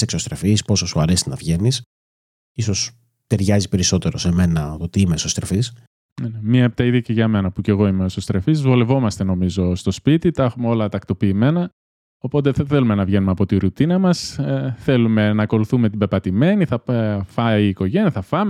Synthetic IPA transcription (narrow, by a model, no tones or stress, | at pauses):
seksost̪ɾe̞fispo̞sosuɐɾesinɐ̰vʝe̞nis | iso̞s | t̪e̞ɾʝɐzipe̞ɾiso̞t̪e̞ɾose̞me̞nɐt̪ot̪iimesost̪ɾefis | nenemɲɐep̚t̪ɐiðɐceʝɐme̞nɐpuce̞ɣo̞imeosost̪ɾe̞fizvole̞vo̞mɐst̪e̞no̞mizo̞st̪o̞spit̪it̪ɐexumeo̞lɐt̪ɐkt̪o̞piːme̞nɐ | o̞po̞t̪̬eθe̞lume̞nɐvʝe̞numeɐpo̞t̪iɾut̪inɐmɐsθe̞lume̞nɐko̞luθume̞t̪ibe̞pɐt̪ime̞niθɐfɐiːko̞ʝeniɐθɐfɐme